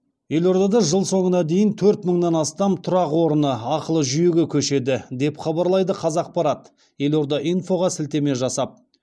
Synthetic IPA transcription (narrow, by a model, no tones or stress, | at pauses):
je̞lo̞ɾd̪ɑd̪ɑʒəlˠso̞ɴənɑd̪e̞jɪnt̪ʰɵɾt̪məɴnɑnɑst̪ɑmt̪ʰʊɾɑqwo̞ɾənəɑqəlˠəʒʏjeɡʲɪkʲʰɵʃe̞d̪ɪd̪e̞pχɑbɑɾlˠɑjd̪əqʰɑzɑq̚pɑɾɑt̪ | je̞lo̞ɾd̪ɑʔijnfo̞ʁɑsɪlt̪e̞me̞ʒɑsɑp̚